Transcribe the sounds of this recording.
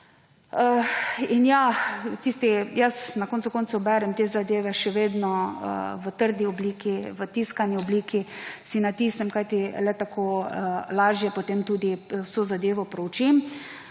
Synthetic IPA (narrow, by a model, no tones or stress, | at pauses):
əinjat̪iːst̪ijəsnakoːnt̪sʊkont̪sʊbɛɾɛmt̪eːzad̪eːʋɛʃɛʋeːd̪nɔə̰ʋət̪əɾd̪iɔbliːkiʋət̪iːskaniɔbliːkisinat̪iːsnɛmkajt̪ilɛt̪akʰoːəlaːʒjɛpot̪emt̪uːd̪iwsozad̪eːʋɔpɾɔwt͡ʃim